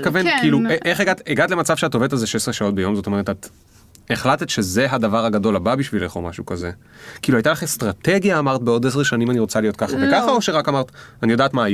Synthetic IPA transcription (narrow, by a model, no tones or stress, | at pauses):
kavenkiːlueʔeχeɡateɡatlemat͡savʃeatovet̪alzeʃesʁeʃao̞t̚be̞jo̞mzot̪o̞me̞ʁetat̪ | eχlat̪e̞t̪ʃe̞ze̞ɦadavaʁaɡado̞lababiʃvileχo̰ma̰ʃukaze̞ | kiːluajtalaχest̪ʁat̪e̞ɡjaːmaʁt̪̚beo̞des̬ʃanimaniʁo̞t͡salijo̞t̚kaχavekaχaoʃeʁakamaʁt̪anijo̞daːtmaj